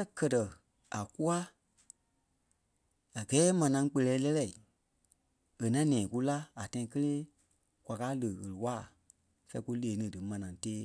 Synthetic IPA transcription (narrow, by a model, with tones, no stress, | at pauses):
ã˦kɜ˨tɜ˨ | a˨ku˦a˦ | a˨ɡɛː˨˦mã˨nã˧ŋ˦k͡pə˧lɛː˨˦lɛ˦lɛ˦˨i˨ | e˨nã˦nɛ̃ː˨ku˦la˦a˨tã˧˦ĩ˧˦kə˦leː˦ | kwʷa˨kaː˦lə˨ɣə˨lɨ˨waː˦˨ | fɛ˧i˦ku˦leː˨˦nɨ̃˨dɨ˨mã˨nã˨ŋ˦teː˦